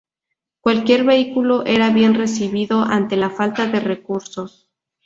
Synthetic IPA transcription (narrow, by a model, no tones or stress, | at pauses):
kwalkje̞ɾβe̞ikuloʔe̞ɾaβje̞nre̞siβiðo̞ʔant̪e̞lafalt̪aðe̞re̞kuɾso̞s